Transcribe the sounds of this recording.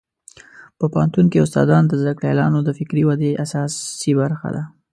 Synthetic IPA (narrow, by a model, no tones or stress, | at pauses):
pəpɑnt̪uŋkiʊst̪ɑ̰d̪ɑnd̪əzd̪akɽjalɑ̰nod̪əfɪkɾiwad̪eʔasɑsibaɾxa̰d̪a